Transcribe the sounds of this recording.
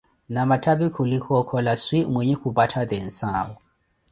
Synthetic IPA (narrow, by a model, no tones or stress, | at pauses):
namatʰabikʰulikʰɔkʰɔlaswimweɲɛxubatʰad̪ɛn̩saːwɔ